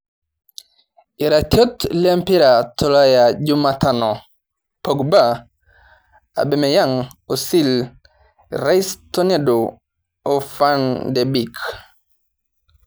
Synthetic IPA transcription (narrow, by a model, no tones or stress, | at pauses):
iɾatjotlempiɾatʰolajaɟumatano | poɡba | a̰bemejaŋ | osil | ɾaistonedo | ofandebik